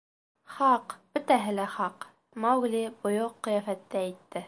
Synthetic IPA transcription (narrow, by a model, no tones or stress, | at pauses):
χɑqb̥ɵ̆t̪æɦɘ̆læχɑq | mɑwɡlibŏjoqːɤ̆jæfæt̪ːææjt̪ːɘ